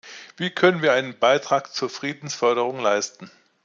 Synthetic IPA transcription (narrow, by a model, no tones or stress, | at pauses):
viːkʰœnənviːɐʔaɪnənbaɪtʁ̥aːkt͡suːɐfʁ̥iːdn̩sfœɐɾəʁ̞ʊŋlaɪstn̩